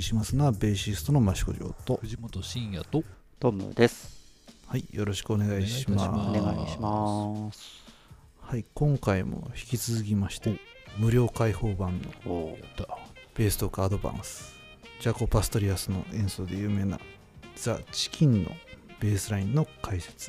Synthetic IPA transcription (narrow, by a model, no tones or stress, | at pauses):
ɕimasɨnoabe̞ːɕisɨ̥t̪o̞no̞maɕi̥ko̞̰ʑo̞̰ːt̪oimot̪oɕĩɰ̃jat̪o | t̪omɯ̰d̪e̞sɨ̥ | haijo̞ɾo̞ɕi̥kɯo̞ne̞ɡaiɕima̰ɡaiimas | haikõ̞ŋkaimo̞̰çi̥kʲit͡sɨzɨk̬ʲimaɕi̥t̪e | mɯ̟ɾʲo̞ːkaiho̞ːbãnːo̞̰ | b̥e̞ːsɨ̥t̪o̞kaaːd̪o̞bã̰ɰ̃sɨ̥ | d͡ʑako̞pasɨ̥t̪o̞ɾʲiasɨno̞̰ʔẽ̞ɰ̃so̞ːd̪e̞jɯ̟ːme̞ːna̰ | z̥at͡ɕi̥kʲʰĩnːo̞̰b̥e̞ːsɨɾaĩnːo̞kʰaise̥t͡sɨ̥